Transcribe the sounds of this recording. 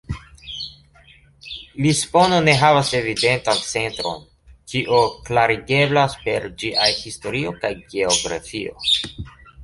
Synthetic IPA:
lispo̞no̞ne̞ɦavase̞vide̞ntant͡se̞ntɾo̞̰n | kiʔoklaɾiɡe̞blaspe̞ɾd͡ʒiʔahisto̞ɾio̞kajɡeoɡɾa̰fio̞̰

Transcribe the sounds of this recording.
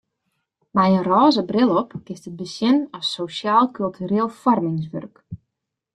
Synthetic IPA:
mɛjənrɔːzəbrɪlˠɔpkɪstət̚bəsjɪnɔsosjaːlˠkylˠtʰyɾeːlˠfɔrmɪŋs̬ʋø̰rk

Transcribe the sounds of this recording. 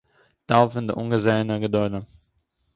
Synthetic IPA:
taʊfəndəʔʊ̰nɡəzeːənəɡədɔʏdə

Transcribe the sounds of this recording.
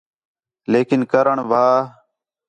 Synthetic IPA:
leːkɪnkəɾəɳʋaː

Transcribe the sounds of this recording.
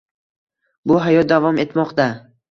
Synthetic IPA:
bʊɦajɒt̪̚d̪avɒme̞t̪mɒqt̪a

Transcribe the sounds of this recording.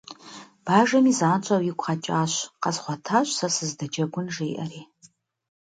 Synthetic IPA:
b̥aːʒɐmiːzaːnt͡ʃʼɐwjɪkʷʼχɐt͡ʃʼaːɕqɐzχʷɔtʰaːɕʷʼsɐsɨzdɐd͡ʒɐɡʷʊnʐejʔɐ̰riː

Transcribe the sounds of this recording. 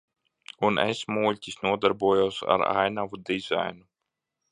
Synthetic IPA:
unḛsmulʲt̪ʲisnuɔd̪aɾbuɔjawsa̰ɾa̰jnavud̪iza̰jnu

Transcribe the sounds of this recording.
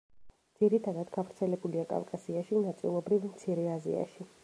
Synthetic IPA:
d̪z̥iɾit̪ʰad̪ad̪ɡavɾt̪sʰɛlɛbuliakʼa̰vkʼasiaʃinat̪sʼḭlˠɔbɾivmt̪sʰiɾɛazḭa̰ʃi

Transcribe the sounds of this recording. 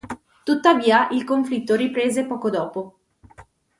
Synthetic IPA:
t̪ut̪ːaviːaʔilkoɱflit̪ːoɾipɾeːzepɔːkod̪ɔːpo

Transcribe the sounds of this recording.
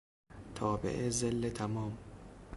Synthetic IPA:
t̪ʰɒːbḛʔezelːet̪ʰæmɒːm

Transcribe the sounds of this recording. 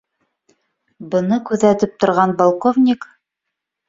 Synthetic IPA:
bɤ̆nɤkʉðæt̪ɘp̚t̪ŏɾʁɑnbolˠkovnʲik

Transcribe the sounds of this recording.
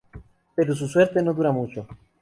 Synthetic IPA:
peɾos̬usweɾt̪enod̪uɾamut͡ʃo

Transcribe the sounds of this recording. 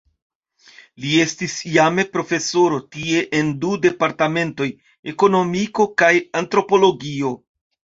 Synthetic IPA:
lie̞stisjame̞pɾo̞fe̞so̞ɾo̞tie̞ʔendude̞paɾtame̞nto̞j | e̞ko̞no̞miko̞kajantɾo̞po̞lo̞ɡio̞

